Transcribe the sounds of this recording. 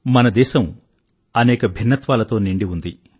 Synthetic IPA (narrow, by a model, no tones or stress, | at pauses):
mɐnɐd̪ɛːʃɐm | ɐnɛːkɐbʱinːɐt̪ʋaːlɐt̪o̞ːniɳɖiund̪i